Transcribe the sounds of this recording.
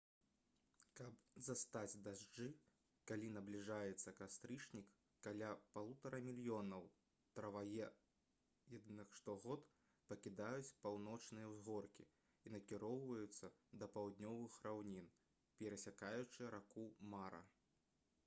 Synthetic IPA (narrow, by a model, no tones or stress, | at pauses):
kɐpzɐst̪ad͡zʲd̪aʐd͡ʐɨ | kalʲinɐblʲiʐajɛt̪sːɐkast̪ɾɨt͡ʂnʲikː | alʲapalˠut̪ɐɾɐmʲilʲijɔnɐw | t̪ɾɐvajɛ | jad̪ɨnɨxʂt̪ɔɣɔt̪ | pɐkʲid̪ajut͡sʲpawnɔt͡ʂnɨjɐwzɣɔrkʲi | inɐkʲiɾɔwvɐjut̪sːɐd̪ɐpawd̪nʲɔvɨxrawnʲin | pʲɛɾɐsʲakajut͡ʂɨɾakumaɾɐ̰